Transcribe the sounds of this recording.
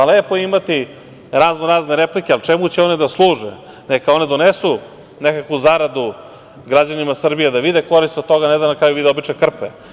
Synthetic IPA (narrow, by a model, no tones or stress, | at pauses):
aleːpojimat̪i | ɾaznoɾaːzneɾeplikʲealˠt͡ʃemut͡ɕeo̞ned̪aslˠuːʒḛ | nekao̞ned̪o̞nesu | nekakʋuzaɾad̪u | ɡɾad͡ʑanimasr̩bijed̪aʋid̪eko̞ɾist̪ot̪oɡaned̪anakɾaːjuʋid̪eo̞bit͡ʃekr̩pḛ